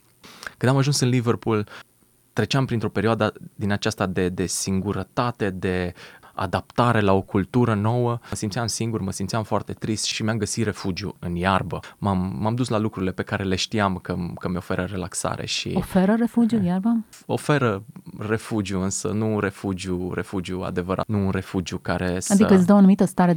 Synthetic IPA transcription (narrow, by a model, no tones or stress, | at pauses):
kɨnd̪amaʒunsɨnliverpul | t̪ɾe̞t͡ʃeampɾint̪ɾo̞pe̞ɾioad̪ad̪inat͡ʃast̪ad̪e̞d̪e̞siŋɡuɾət̪at̪e̞d̪e̞a̰d̪ap̚t̪aɾe̞lao̞kult̪uɾəno̞wəsimt̪sijamsiŋɡurməsimt̪siamfoart̪e̞t̪ɾist̪ʃimeamɡəsit̪re̞fud͡ʒiṵɨnjarbəmamːamd̪uslalukɾuɾile̞pe̞kaɾe̞le̞ʃt̪iamkəkəmeo̞fe̞ɾəɾe̞laksa̰ɾe̞̰ʃḭofeɾəɾefud͡ʒijujarba | o̞fe̞ɾəre̞fud͡ʒiuɨnsənure̞fud͡ʒiure̞fud͡ʒiua̰d̪e̞vəɾa̰t̪nuːnre̞fud͡ʒjukaɾe̞sad̪ikəɨs̬d̪əwoanumit̪əst̪aɾe